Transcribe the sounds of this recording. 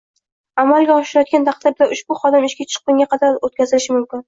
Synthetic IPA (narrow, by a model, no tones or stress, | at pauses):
amalˠɡʲaɒʃɪɾajɒt̪̚kʲant̪ʰɑq̚d̪ɪɾd̪aʔʊʃb̥ʊχɒd̪ɪmɪʃkʲat͡ʃʰɨ̥qːʊŋɡʲaqʰɑd̪aɾot̪kʲʰazɪlɪʃɪmʊmkʲɪn